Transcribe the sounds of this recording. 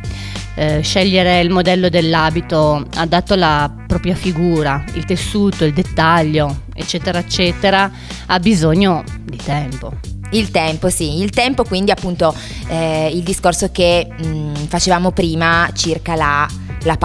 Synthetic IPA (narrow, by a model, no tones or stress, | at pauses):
ʃɛʎːeɾeilmod̪ɛlːod̪elːaːbit̪oad̪ːaːt̪oalapɾɔːpɾjafiɡuːɾailt̪esːuːt̪oild̪et̪ːaʎːo | ḛt͡ʃːɛːt̪eɾaet͡ʃːɛːt̪eɾa | abizoɲːod̪it̪ɛmpoilt̪ɛmposiːlt̪ɛmpokwind̪iapːunt̪o | ild̪iskorsoke | fat͡ʃevaːmopɾiːmat͡ʃirkalalap